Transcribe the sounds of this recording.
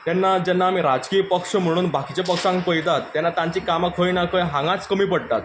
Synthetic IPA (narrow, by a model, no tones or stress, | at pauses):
t̪jɛnːad͡ʑɛnːaːmiːɾad͡zkijəpəkʂəm̤əɽ̃uːnbakit͡ɕepəkʂãŋkpəjt̪at̪ːjɛnːat̪ãɲt͡ɕiːkamakʰojnakəjɦãŋɡãt͡skəmiːpəɽt̪at̪̚